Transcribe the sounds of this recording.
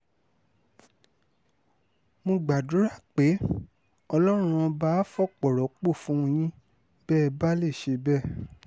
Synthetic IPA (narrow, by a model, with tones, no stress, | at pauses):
mõ˧ɡ͡ba˨du˨˦ɾa˦˨k͡pe˨˦ | ɔ˧lɔ˦ɾ̃ũ˧ɔ˧ba˦fɔ˦˨k͡pɔ˨ɾɔ˨k͡po˦˨fũ˨˦õ˧j̃ĩ˦ | bɛ˦˧ba˦le˦˨ʃe˧bɛ˦˨